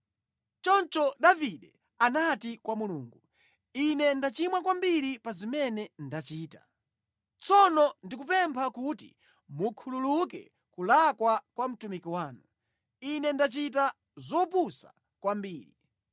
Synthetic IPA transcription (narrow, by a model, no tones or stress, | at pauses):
t͡ʃɔnt͡ʃɔɗaviɗɛ | anatikwamuluːŋɡu | inɛndat͡ʃimwakwambiɾipazimɛnɛndat͡ʃiːtḁ | t͡sɔnɔndikupɛmpʰakutḭ | mukʰululukɛ̰ | kulakwakwam̩tumikiwaːnu | inɛndat͡ʃita | zɔpusa̰ | kwambiːɾi